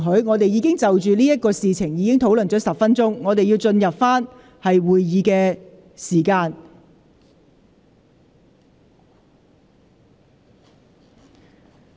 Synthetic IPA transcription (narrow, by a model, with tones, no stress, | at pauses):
ɦɵ˨˥ɥŋɔː˨˧t̪e˨jiː˨˧kɪ˥ŋt͡sɐ˨wt͡ʃyː˨liː˥jɐ˥t̚kɔː˧siː˨t͡sʰɪ˨˩ŋjiː˨˧kɪ˥ŋt̪ʰo˨˥wlɵ˨˩nt͡ʃɔː˨˥sɐ˨p̚fɐ˥nt͡sʊ˥ŋːɔː˨˧t̪e˨jiː˧wt͡sɵ˧njɐ˨p̚faː˥n | hɐ˨jwuː˨jjiː˨˧kɛː˧ | siː˨˩kaː˧n